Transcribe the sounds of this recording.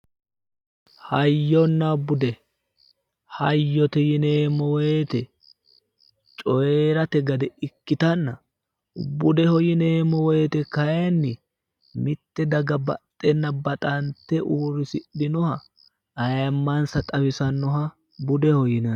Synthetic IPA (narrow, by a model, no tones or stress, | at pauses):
hɐjːɔnːɐbʊd̪ɛ | hɐjːɔt̪ɛjɪneːmːɔwet̪ɛ | t͡ʃʼɔjeːɾɐt̪ɛɡɐd̪ɛɪkːɪt̪ɐnːɐ | bʊd̪ɛhɔjɪneːmɔwet̪ɛkɐjanːɪ | mɪt̪ːɛd̪ɐɡɐbɐ̰t̪ʼːɛnːɐbɐt̪ʼɐnt̪ːɛʔuːɾɪsɪɗɪnɔhɐː | jmːɐnsɐt̪ʼɐwɪsɐnːɔɦɐ | bʊd̪ɛhɔjɪnɐn